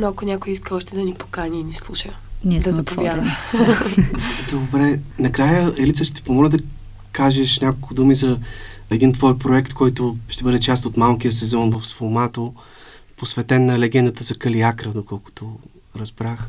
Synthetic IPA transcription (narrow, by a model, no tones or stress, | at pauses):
noɐkonʲakojiskəɔʃt̪ɛd̪ɐnipo̥kanʲiːnislˠuʃəd̪ɐzɐpovjanə | d̪obɾɛnɐkɾajəɛlit̪səʃt̪ɛt̪i̥pomɔlɛd̪ɐ | kaʒɛʃnʲakolˠkʊd̪umizɐɛd̪int̪vɔjpɾoɛkt̪kɔjt̪oʃt̪ɛbɤd̪ɛt͡ʃast̪ot̪malˠk̟ijəsɛzɔnvɐfsfomat̪o | posvɛt̪ɛnːɐlɛɡɛnd̪ət̪əzɐkɐliakɾəd̪okɔlˠkʊ̥t̪o | ɾɐzbɾax